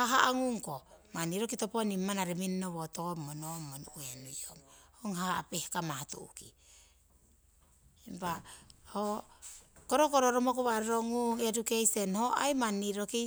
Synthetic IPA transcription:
haɦaʔaŋuŋkomanːiɾokitoponimːanaɾeminːoβotomːonomːonuenujomhoŋɦahapehkamahatṵṵki | empaho | koɾokoɾoɾomok̬oβaɾeɾoŋuŋedukejsenhoa̰jmanːiɾoki

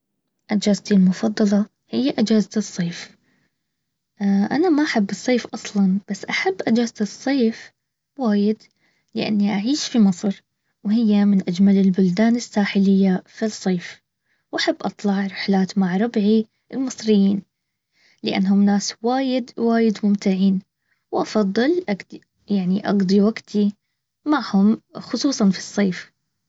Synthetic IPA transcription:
ʔɪd͡ʒaːzt̪ilmʊfɑd̪ˤːɑlɑ | hɪjːaʔɪd͡ʒaːzt̪ɨsˤːeːf | ʔa̰namaʔaħabːɨsˤːeːfʔɑsˤlɑnb̥asːʔaħabːʔad͡ʒaːzt̪ɨsˤːeːf | waːjɪd̪ | lɪ̰ʔa̰nːiʔaʕiːʃfimɨsˤɾ | whɪjːamɪnʔad͡ʒmalɪlbʊld̪aːnɪsːaːħɪlɪjːafisˤːeːf | wʔaħabːʔɑt̪ˤlɑʕɾˤɪħlaːt̪maʕɾˤɑbʕi | ʔɪlmɨsˤɾɪjːiːn | lɪʔa̰nːɦʊmnaːswaːjɪd̪waːjɪd̪mʊmt̪aʕiːn | wʔɑfɑðˤːɨlʔaɡ̪ | jaʕniʔɑ̰ɡd̪ˤiwaɡt̪ʰi | maʕhʊmxʊsˤuːsˤɑnfi̥sˤːeːf

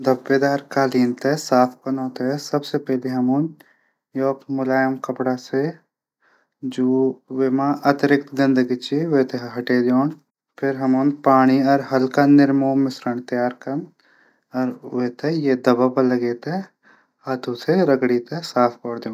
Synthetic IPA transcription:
d̪ʱɐbːeːd̪aːɾkaːliːnt̪esaːpʰkɐnoːt̪esɐbsepɛɦleɦɐmoːn | joːpmʊlaːjəmkɐpɽase | d͡ʒoːʋeːmãʔɐt̪ɾɪk̚t̪zɪ̃nd̪əɡit͡ʃiʋet̪eɦɐʈed̪joːn | pʰɪɾɦɐmoːnpaːɽ̃iɔːɾɦɐlkanɪɾmõmɪsɾəɳ̃t̪ɐjaːɾkɐɾn | ɔːɾʋet̪ejed̪ɐbapəlɐɡeːt̪e | aːd̪ʱuseɾɐɡɽit̪esaːpʰkɔːɽd̪jõː

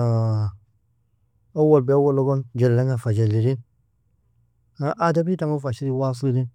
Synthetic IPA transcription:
awalbeawoloband͡ʒallaŋafad͡ʒelːiɾin | aʔadabitamafaʃiɾiwas̬uɾin

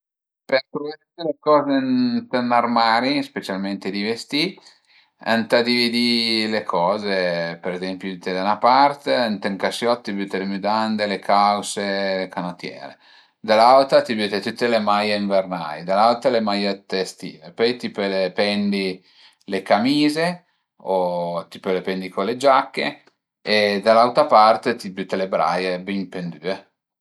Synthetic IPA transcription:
peɾt̪ovt̪ut̪ːelekɔːzent̪ənːarmaːɾispet͡ʃalment̪ed̪ivest̪i | a̰nt̪ad̪ivid̪ilekʰɔːzepeɾezɛmpjuit̪ːed̪anapart̪eant̪eŋkasjɔt̪ːibyːt̪elemyd̪and̪elekʰawselekanot̪jɛ̰ːɾḛ | d̪alːalt̪at̪ibyːt̪et̪ut̪ːelemajeiɱverna̰jd̪alːalt̪alemajet̪ːest̪ḭːvepɔjt̪iːpəlepɛnd̪i | lekamiːze | ot̪i̥polepɛnd̪ikoled͡ʒakːḛ | ed̪alːawt̪apart̪et̪ibyt̪ːelebɾa̰jebimpend̪yːe

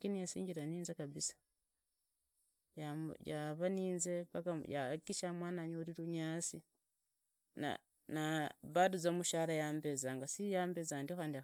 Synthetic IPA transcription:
kinijasḭːɲɟiɾaniːnzekaβisḁ | jajaβaniːnzeβakajakiʃamwaːnaɲouɾiɾuɲaːt͡si | na̰ | naβaduzomuʃaːɾajaːmbezaŋɡasijaːmbezaːndioxaːndia

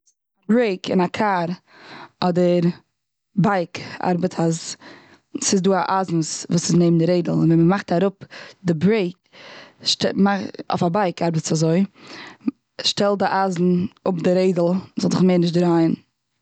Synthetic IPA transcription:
abɾeɪkɪ̰nakʰaːɾ | ɔdəɾ | baɪka̰ɾbətʰaz | sɪzduːaʔazn̩svuːsɪsneɪmndɪɾeɪdl̩ˠɪnvɛməmaχtaɾʊpdɪbɾeɪk | ʃtɛmao̰fabaɪkʰaɾbət͡sazoɪ | ʃtɛlˠdɪʔazn̩ʊpdɪɾeɪdl̩ˠzɔlˠzɪχmeːɾnɪʃtdɾaɪən

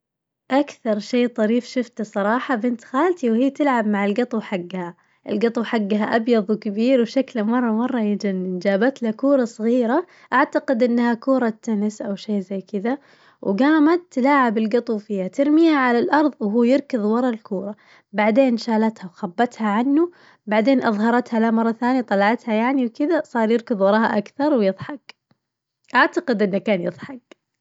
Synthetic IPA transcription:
ʔakθɑɾˤʃeːt̪ˤɑɾiːfʃʊft̪asˤɑɾˤɑːħɑbɪnt̪xaːlt̪iwhiːt̪ɪlʕabmaʕɪlɡɨt̪ˤwħaɡːaha | ʔɪlɡɑt̪ˤwħaɡːɦaʔɑbjɑðˤwkabiːɾwʃaklamɑrˤːɑmɑrˤːɑjɪd͡ʒanːind͡ʒaːbat̪lakuːɾˤɑsˤɣiːɾa | ʔaʕt̪aqɪd̪ʔɪnːhakuːɾˤɑt̪ːʊnɪsʔawʃeːzajːkɪd̪a | wɡaːmad̪̚t̪ːalaːʕabɪlɡɑt̪ˤuwfiːhat̪ɪɾmiːhaʕalalʔɑɾˤðˤwɦuːjɪɾkɪðˤwɑɾˤɑlkuːɾˤɑ | baʕd̪eːnʃaːlat̪hawxabːat̪haʕanːu | baʕd̪eːnʔɑðˤɦɑɾˤɑt̪halamɑrˤːɑθaːnjat̪ˤɑlɑʕɑt̪hajaʕniwkɪd̪asˤɑːɾˤjɪɾkɨðˤwɑɾˤɑhaʔakθɑɾˤwjɨðˤħɑk | ʔaʕt̪aqɪd̪ʔɪnːakaːnjɨðˤħɑk

